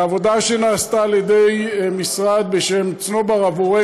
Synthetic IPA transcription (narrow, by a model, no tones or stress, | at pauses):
avo̞d̪aʃe̞naːst̪aːljed̪ejmisʁad̪̚be̞ʃe̞mt͡sno̞baʁavoʁe